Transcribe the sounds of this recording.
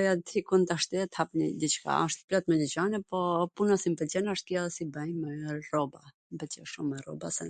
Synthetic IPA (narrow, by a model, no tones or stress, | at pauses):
jat̪hikunt̪aʃt̪ɛɛt̪hapɲid̪it͡ʃka̰əʃt̪plɔt̪mɛdit͡ɕanɛpɔpunasimpɛt͡ɕɛnaʃt̪̚kjɛsibajmɛrɔba | mpɛt͡ɕɛʃumːɛrɔ̰basɛ̰